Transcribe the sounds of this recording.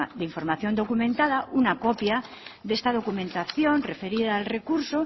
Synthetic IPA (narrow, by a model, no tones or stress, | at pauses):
ðeiɱfo̞ɾmaθjo̞nd̪okumẽnt̪aðaʔunakopja | ðest̪að̞o̞kumẽnt̪aθjo̞nrefe̞ɾiðaːlre̞kuɾso